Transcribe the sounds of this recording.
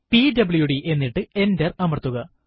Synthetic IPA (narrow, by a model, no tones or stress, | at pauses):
pidɐbɭjuɽiʔe̞nːiʈːɨe̞nderɐmɐrt̪ːuɣɐ